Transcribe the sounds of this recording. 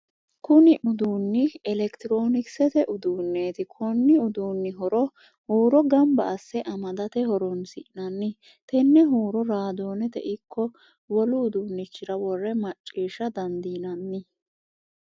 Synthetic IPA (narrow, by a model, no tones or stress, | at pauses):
kʊnɪʔʊd̪uːnːɪɛlɛkt̪ɪɾoːnɪksɛt̪ɛʔʊd̪uːnːeːt̪ɪkʰɔnːɪʊd̪uːnːɪɦɔɾɔ | huːɾɔɡɐmbɐʔɐsːɛʔɐmɐd̪ɐt̪ɛhɔɾɔnsɪ̰ʔnɐnːɪ | t̪ɛnːɛɦuːɾɔɾaːd̪o̞ːnɛt̪ɛ̰ʔɪkːɔ | wɔlʊːd̪uːnːɪt͡ʃːɪɾɐwɔrːɛmɐt͡ʃʼːiːʃːɐd̪ɐnd̪iːnɐnːɪ